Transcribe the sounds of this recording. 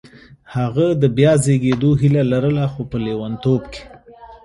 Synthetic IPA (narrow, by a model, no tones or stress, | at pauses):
haɣad̪əbjɑzeɡed̪oɦilalaɾəlaxopəlewant̪obke̥